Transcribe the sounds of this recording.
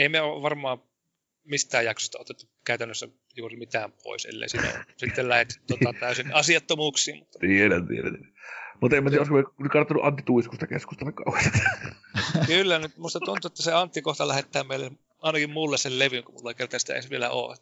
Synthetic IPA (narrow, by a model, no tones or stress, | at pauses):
eˑimeoʋʋɑrmˑɑːm | mist̪æːjjɑkso̥st̪ɑot̪et̪ːu | kæˑyt̪ænːøsːæ̰ | juːrimit̪æːmpʰo̰ˑisḛlːḛisiːnæ̰o̰sit̪ːellæhet̪ːt̪ːotɑt̪æˑysinɑsiɑt̪ːomuːksˑiːmmut̪ːɑt̪ielænt̪ḭelæ̰nimut̪emːæt̪iæoˑskomnyt̪kɑrt̪ːonːuʔɑnt̪ːit̪uiskust̪ɑkeskust̪ɑlːekkɑ̰ˑuhest̪ɑ̥ | kylːænyt̪muist̪ɑt̪unt̪uet̪ːæseɑnt̪ːikoht̪ɑlæhet̪ːæːmeˑile | ɑˑenɑkimmulːesselleʋyŋkumulːɑkert̪ɑsit̪æ̰ḛisʋielæ̰o̰ːḛt̪ː